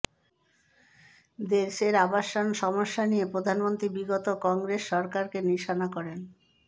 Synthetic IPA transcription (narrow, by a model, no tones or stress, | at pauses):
d̪eɾʃeɾabaʃːonʃɔmoʃːanijepɾod̪ʱanmont̪ɾibiɡot̪okɔŋɡɾesːɔɾkaɾkeniʃanakɔɾen